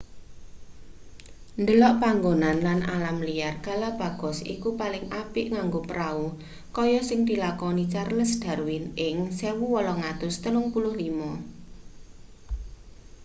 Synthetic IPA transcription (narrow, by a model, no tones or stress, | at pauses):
nd̪əlɔʔpaŋɡonanlana̰lamlijarɡ̥a̤lab̥ä̤ɡ̥ɔ̤sḭkupalɪŋʔapɪʔŋaŋɡopəɾau | kɔjɔsɪŋd̪i̤lakɔnit͡ʃarləsd̪̥ä̤ɾuwɪnɪŋsewuwɔlɔŋat̪ʊst̪əlʊŋpulʊhlimɔ